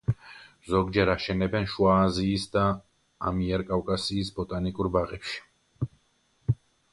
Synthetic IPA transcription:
zɔɡd͡ʒɛɾaʃɛnɛbɛnʃwaːziːsd̪a | a̰miɛɾkʼawkʼasiːsbɔt̪ʼanikʼuɾbaʁɛpʃi̥

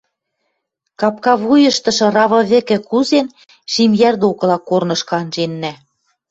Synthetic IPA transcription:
kɑpkɑβujɤ̆ʃt̪ɤ̆ʃɤ̆rɑβɤ̆βɘ̆kɘ̆kuzen | ʃimjærd̪okɤ̆lɑkornɤ̆ʃkɑnʒenːæ

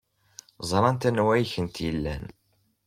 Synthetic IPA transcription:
zˤɾˤɑnt̪ænwæjçənt̪jəlːæ̰n

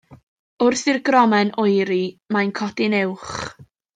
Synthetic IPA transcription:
ʊrθɪrɡrɔmɛnʔɔjɾimajnkʰɔdɪnɪwχ

